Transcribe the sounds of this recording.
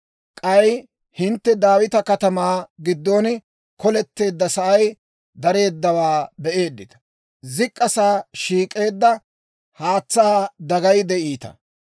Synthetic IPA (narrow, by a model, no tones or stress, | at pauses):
kʼɐj | hɪnt̪ːɛd̪aːwɪt̪ɐkɐt̪ɐmaːɡɪd̪ːo̞ːn | kɔlɛt̪ːe̞ːd̪ːɐsɐʔɐj | d̪ɐɾe̞ːd̪ːɐwaːbɛʔe̞ːd̪ːɪt̪ɐ̥ | zɪkʼːɐsaːʃiːkʼːe̞ːd̪ːɐ | haːt͡sːaːd̪ɐɡɐjd̪ɛʔiːt̪ɐ̰